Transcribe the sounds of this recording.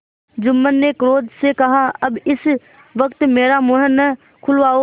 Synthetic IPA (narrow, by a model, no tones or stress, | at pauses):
d͡ʒʊmːənːekɾoːd̪sekɐɦaɐbɪs | ʋəkt̪meːɾamʊɦənə | kʰʊlʋaːo